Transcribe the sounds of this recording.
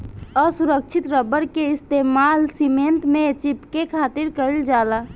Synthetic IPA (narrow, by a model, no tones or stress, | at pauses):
ɔsuɾək̚t͡ʃʰɪt̪ɾəbəɽkeɪst̪eːmaːlsimẽnt̪mẽt͡ʃipkekʰaːt̪ɪɾkəɪld͡ʒaːla